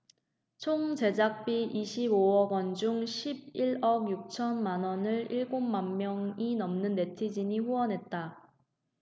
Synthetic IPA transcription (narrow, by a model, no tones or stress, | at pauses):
t͡ɕʰoŋt͡ɕe̞d͡ʑak̚p͈iʔiɕʰiboʌɡʌnd͡ʑuŋɕʰib̚iɭʌɡjuk̚t͡ɕʰʌnmanʌnɯɭiɭɡommanmjʌŋinʌmnɯnːe̞tʰid͡ʑiɲiɸuwʌnɦe̞t̚t͈a